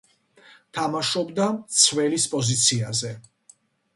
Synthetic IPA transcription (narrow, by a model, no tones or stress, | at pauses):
t̪ʰamaʃɔbd̪amt̪sʰvɛlispʼɔzit̪sʰiazɛ